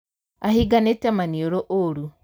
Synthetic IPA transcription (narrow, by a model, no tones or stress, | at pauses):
ahiɡanetɛmanioɾoʔoɾu